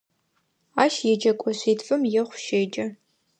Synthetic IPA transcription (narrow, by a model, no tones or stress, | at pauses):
aːʃjɛd͡ʒɐkʷʼɔɕiːtfʼɨmjɛχʷʃeːd͡ʒʼɐ